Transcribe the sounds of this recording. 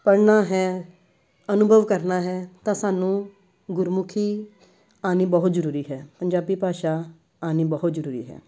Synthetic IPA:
pəɽnaːɦɛː | ənʊbʱəʋkəɾnaːɦɛːt̪ãːsaːnũː | ɡʊɾmʊkʰiː | aːniːbɦʊt̪zəɾuːɾiːɦɛːpəɲd͡ʒaːbiːpaːʃaː | aːniːbəɦʊt̪zəɾuːɾḭːɦɛ̰ː

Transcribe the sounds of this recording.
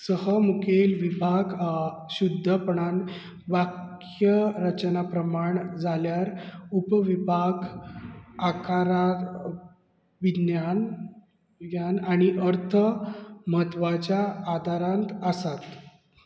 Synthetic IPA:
səɦəmukelʋibʱaɡ | ɕud̪ʱːəpɳan | ʋak | jəɾət͡ɕnapɾəmaɳd͡zʱaljaɾupʋibʱaɡ | akʰaɾat̪ | ʋinjan | ɡjanaɽ̃iʔəɾt̪ʰəməɦət̪ːʋat͡ɕjaːd̪ʱaɾãnt̪əsat̪

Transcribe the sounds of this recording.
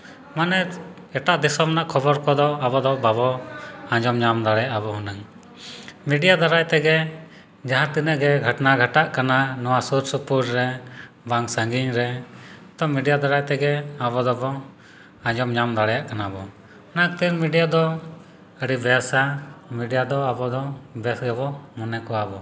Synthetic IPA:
manɛ | ɛʈaʔd̪isɔmnaʔkʰɔbɔɾkɔd̪ɔabɔd̪ɔbabɔãd͡ʒɔmɲamd̪aɽɛjaʔabɔɦunɛŋ | miɖijad̪aɾajt̪ɛɡɛ | d͡ʒaɦãt̪inəʔɡɛɡʱəʈnaɡʱəʈaʔkananɔwasuɾsupuɾɾɛ | baŋsãŋɡiɲɾɛt̪ɔmiɖijad̪aɾajt̪ɛɡɛabɔd̪ɔbɔ | ãɲd͡ʒɔmɲamd̪aɽɛjaʔkanabɔ | nak̚t̪iɾmiɖijad̪ɔ | əɖibɛɾsamiɖijad̪ɔabɔd̪ɔbɛsɡɛbɔmɔnɛkɔwabɔ

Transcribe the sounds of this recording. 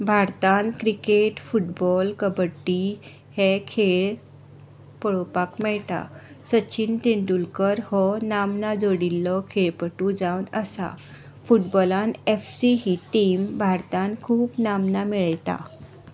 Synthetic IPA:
bʱaɾt̪ankɾikeʈfuʈbɔlkəbəʈːi | hɛ̃kʰeɭ | pəɭopakmɛɭt̪a̰ | sət͡ɕʰint̪eɳʈulkəɾhɔnamnad͡zoɽilːɔkʰeɭpəʈũd͡zawnəsa̰ | fuʈbɔlanefsiɦiʈiːmbʱaɾt̪ãnkʰuːpnamnamiɭjt̪a̰

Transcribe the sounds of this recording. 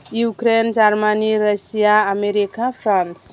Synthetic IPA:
jukɾend͡ʒarmaniɾasijaameɾikafrãns

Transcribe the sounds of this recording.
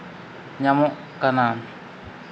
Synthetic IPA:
ɲamɔʔ | kana

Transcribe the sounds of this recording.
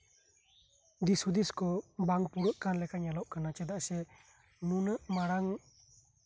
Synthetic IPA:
d̪isud̪iskɔbaŋpuɾəʔkanlɛkʰaɲalɔʔkanat͡ʃɛd̪aʔsɛ | nunɯʔmaɾaŋ

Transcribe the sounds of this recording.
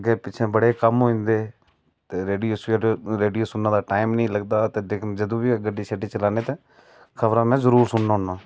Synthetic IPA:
ɡeːpɪt͡ʃʰẽːbəɽeːkəmɦoːĩːnd̪eː | t̪eːɾeːɖijoːsɾeːɖijoːsʊnːãːd̪aːʈaːɪmnəĩːləɡd̪aːt̪eːd̪eːkʰd͡ʒəd̪õːʋiːɡəɖiːseʈiːt͡ʃəlaːneːt̪ẽː | kʰəʋɾãːmɛ̃ːzəɾuːɾsʊnnaːʊnːãː

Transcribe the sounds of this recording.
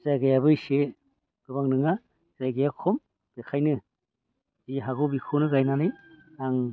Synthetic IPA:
z̥aɡajabɯse | ɡ̥ɯbaŋnɯŋa | zajɡajakʰɔm | b̥ekʰajnɯ | ziɦaɡubikʰonɯɡajnanɯjaŋ

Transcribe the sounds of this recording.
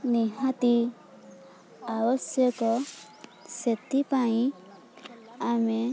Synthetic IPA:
niɦat̪i | awɔsjəkɔ | set̪ipaĩ | ame

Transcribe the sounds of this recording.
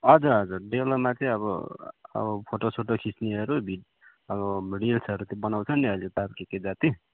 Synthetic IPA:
ʌd͡zʌʌd͡zurɖelmat͡sʌĩʌβʌ̰ʌ̰bʌpʰoʈosʰoʈokʰisniʌɾubʱiʈ | ʌβʌmiɽilsʌɾut̪jobʌnawt͡sʰʌnːiʌlet̪aɾkeked͡zat̪i

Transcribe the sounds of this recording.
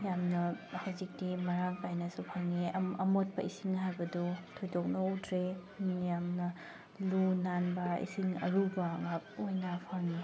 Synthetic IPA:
jamnɐhawzik̚dimɐɾaŋpajnɐsupʰaŋiɐmot̚pɐʔisiŋɦajbɐdutʰojdok̚nɐutʰɾenjamnɐ | lunanbɐḭsiŋɐ̰ɾubaŋap̚ojnapʰaɾŋi

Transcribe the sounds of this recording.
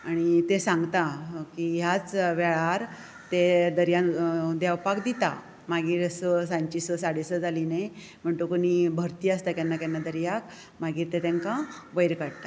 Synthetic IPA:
aɽ̃it̪esãŋɡt̪akiɦjat͡sʋeɭaɾ | t̪ed̪əɾjad̪jawpakd̪it̪a̰ | maɡiːɾəsəsãɲt͡ɕisəsaɽesəd͡zʱalinej | m̤əɳt̪okonibʱəɾt̪iːast̪akjanːakjanːad̪əɾjak | maɡiːɾt̪et̪aŋkãʋəjɾkəɽt̪a

